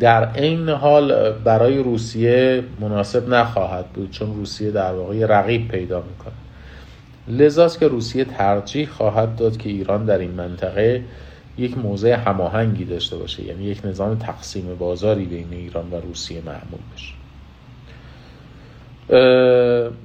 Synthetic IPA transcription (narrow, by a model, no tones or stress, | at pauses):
d̪æɾejneɦɒːlbæɾɒːje̞ɾuːsije̞monɒːse̞bnæxɒːɦæd̪̚buːd̪̥̚t͡ʃʰo̞nruːsije̞d̪æɾvɒːɣejeɾæɣiːb̚pʰe̞jd̪ɒːmiːkʰonæd̪̥ | le̞zɒːst̪cʰe̞ɾuːsije̞t̪ʰæɾd͡ʒiːhxɒːɦæd̪̚ːɒːd̪cʰe̞iːɾɒːnd̪æɾinmænt̪ʰæɣe̞ | je̞cʰmoːzeehæmɒːɦæŋɟiːd̪ɒːʃt̪e̞bɒ̰ːʃḛjʔæ̰niːje̞cʰne̞zɒːme̞t̪ʰæɣsiːme̞bɒːzɒːɾiːbe̞jne̞iːɾɒːnvæɾuːsije̞mæ̰ʔmṵːlbe̞ʃe̥